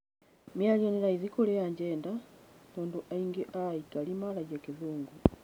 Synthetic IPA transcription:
mjalionilaizikolejaɲɟeːndamuːnduʔaiŋɡeʔaikalimalajakiðuːŋɡu

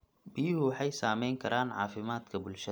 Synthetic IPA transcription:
bijɪhʊwɑħɑjsaːmɛjŋkʰɐɾaːnʕɑ̰ːfɪmaːd̪kʰɐbʊlʃɐ

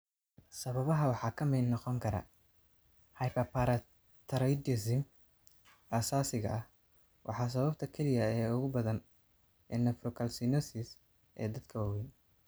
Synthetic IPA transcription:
sɐβɐβɐɦɐwɑħɑːkʰɐmɛjnnːɔqɔŋkʰɐɾɐ̰ | hɐjpɐpʰaɾɐ | t̪ʰɐɾɛd̪ɪsɪm | ʔɐsaːsɪɣɐ̰ɐh | wʔɑ̰ħɑːs̬ɐβɐbt̪ʰɐkʰɛlɪjɐɛːʊɣʊbɐðɐn | ɛnɛfɾɔkʰɐlsinɔsɪs | ʔɛ̰ːd̪ɐd̪kʰɐwaːwɛn

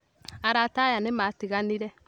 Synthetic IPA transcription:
aɾatajanematiɣaniɾɛ

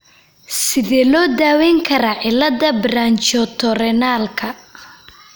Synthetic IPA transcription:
sɪðɛːlɔːd̪aːwɛŋkʰɐɾɐʕɪlɐðɐbraːnt͡ʃɔt̪ʰɔɾɛnaːlkʰɐ

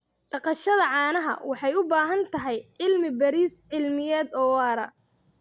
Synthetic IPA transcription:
ɖ̥ɑqɑʃɐðɐʕɑːnɐɦɐ̰wɑħɑjʊbaːɦɐnt̪ʰɐɦɛjʕɪlmɪbɐɾiːsʕɪlmɪjɛːd̪ɔːwɑːɾɐ̰

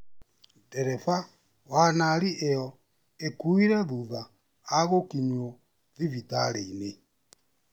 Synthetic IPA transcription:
dɛɾɛfa | wanaɾiʔeɔ | ekuiɾɛðuðaː | ɣokiɲo | ðiβitaɾeine

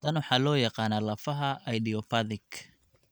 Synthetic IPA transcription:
ɐnwɑħɑːlɔːjɑqɑːnaːlɐfɐɦɐʔɐjdiɔfɐðɪkʰ

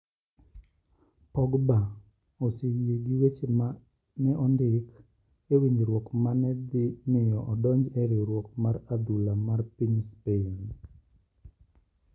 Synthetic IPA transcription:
pɔɡba | osejeɡiwet͡ʃe | nɛʔɔndɪk | ewiɲiɾwɔkmanɛd̪ɪmɪjɔʔɔdɔɲd͡ʒɛɾeɾwɔkmaɾad̪ulamarpiɲspen

